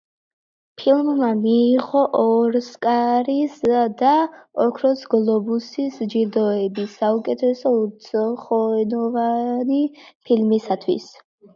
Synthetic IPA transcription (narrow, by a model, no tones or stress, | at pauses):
pʰilˠmːamiːʁɔʔɔɾskʼaɾisd̪aɔkʰɾɔsɡlˠɔbusisd͡ʒiɾd̪ɔɛbisaukʼɛt̪ʰɛsɔt̪sʼχɔɛnɔvanipʰilmisat̪ʰwḭs